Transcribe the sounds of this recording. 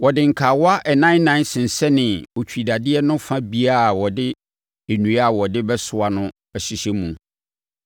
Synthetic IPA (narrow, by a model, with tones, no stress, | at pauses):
wɔ˨dɪ̃˨ŋ̩˨kʰa˨wɔ˦a˦ʔɛ˨nã˦n˦nã˦n˦sɪ̃˨n̩˨sɛ˦nɪ̃˨wɔ˨t͡ɕᶣi˨da˨dɪ˦ɛ˦nʊ̃˦fã˦bi˨˦a˦˨wɔ˨dɪ˦ | e˨nũ˨˦a˨wɔ˨dɪ˦bɛ˦sʊ˨a˨nʊ̃˦ | ɛ˨ɕi˨ɕɛ˦mũ˨